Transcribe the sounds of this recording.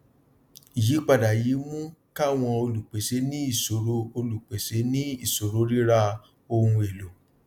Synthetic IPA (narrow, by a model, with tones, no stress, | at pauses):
i˨ji˨˦k͡pa˦˨da˨ji˨˦mũ˦ka˦˨w̃ɔ̃˧o˧lu˨k͡pe˨se˨˦nĩ˦i˦˨so˨ɾo˧˦o˧lu˨k͡pe˨se˨˦nĩ˦i˦˨so˨ɾo˨˦ɾi˦ɾa˦ | o˧hũ˧e˨lo˨